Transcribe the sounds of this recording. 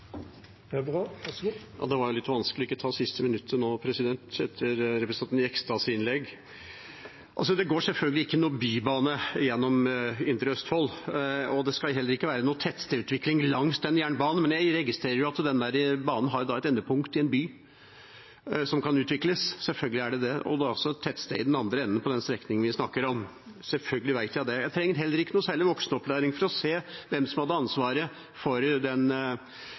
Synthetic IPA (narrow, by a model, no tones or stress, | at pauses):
jɑ̰ːd̪ɛʋɑɾjʊlɪt̪ːʋɑnskəlɪɔɪkːɔt̪ʰɑːsɪst̪əmɪnʉt̪ʰːənoːpʰɾɛsɪd̪ɛnt̪ɛt̪ʰːəɾɾɛpɾəsənɪɛkst̪ɑsɪnlɛɡː | ʔɑlsɔd̪ɛɡoːʂɛlfœlɡəlɪɪkːənuːbyːbɑːnəjɛnːɔmɪnt̪əɾəœst̪fɔlɔd̪ɛskɑlɦɛlːəɾɪkːəʋæːɾənuːt̪ʰɛt̪ːst̪əʉːt̪ʋɪkːlɪŋlɑŋːst̪ɛnːjæːɳbɑːnn̩mɛnjæɪɾɛɡɪst̪ɾeːɾəɾjʊɑt̪d̪ɛnd̪æɾəbɑːnn̩ɦɑɾjʊd̪ɑɛt̪ɛnːəpʰʊŋkt̪ɪɛnbyː | sɔmkʰɑnʉːt̪ʋɪkləssɛlfœlɡəlɪæɖɛd̪ɛɔ̰d̪ɔ̰lsɔt̪ʰɛt̪ːst̪ḛɪɪd̪ɛnɑnd̪ɾəɛnːnəpʰɔd̪ɛnst̪ɾɛknɪŋənʋɪsnɑkːəɾɔm | sɛlfœlɡəlɪʋæɪt̪jæɪd̪ɛjæɪt̪ʰɾɛŋːəɾɦɛlːəɾɪkːənuːsæːɭɪʋɔksnəɔplæːɾɪŋfɔɾɔseːʋɛmsɔmhɑd̪ːəɾɑnsʋɑːɾə | fɔɾd̪ɛn